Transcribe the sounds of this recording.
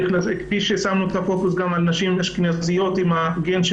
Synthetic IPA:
lazekfiʃesamnuet̪afokusɡamalnaʃimlaʃknazijo̞t̪imhaɡenʃ

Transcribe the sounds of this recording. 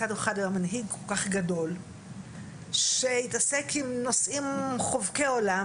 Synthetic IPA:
adeχadajamanɦiɡ̚kʰolkaχɡado̞l | ʃe̞itase̞kʰimno̞simχovkeola

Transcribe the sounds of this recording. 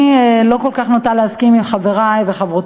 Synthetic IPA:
lo̞ko̞lkaχnot̪alehaskimimχaveʁajveχavʁot

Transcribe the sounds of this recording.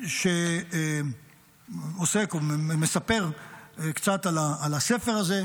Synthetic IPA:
ʃe | osekomesape̞ʁkt͡sat̪alaːlasefe̞ʁaze

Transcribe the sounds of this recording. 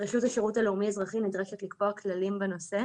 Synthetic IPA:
ʁeχjuthaʃeʁutaleumiazʁaχinidʁeʃetlikboaklalimbeno̞se̞

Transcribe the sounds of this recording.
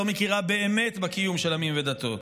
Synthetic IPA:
omekiʁabe̞eme̞t̪bekijumʃelamimved̪at̪o̞

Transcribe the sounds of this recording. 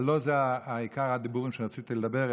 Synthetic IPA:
lozeaːikaʁad̪ibuʁimʃeʁat͡sit̪iled̪abeʁ

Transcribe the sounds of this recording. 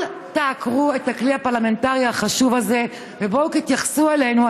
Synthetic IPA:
l | taːkʁue̞takliapaʁlame̞ntaʁihaχaʃuvaze̞ | vebokit̪jaχsuelejnua

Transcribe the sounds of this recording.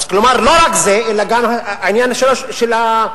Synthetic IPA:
klomaʁlo̞ʁakzeʔelaɡamaːinjanhaʃeloʃela

